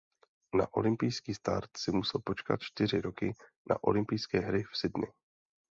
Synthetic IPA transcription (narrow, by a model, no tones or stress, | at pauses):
na̰ʔo̞̰lɪmpɪjskiːst̪a̰ɾt̪sɪmusɛlpo̞t͡ʃka̰t̪̚t͡ʃt̪ɪr̝ɪɾo̞kɪ | nʔa̰ʔo̞̰lɪmpɪjskɛːɦɾɪfsɪdnɪ̰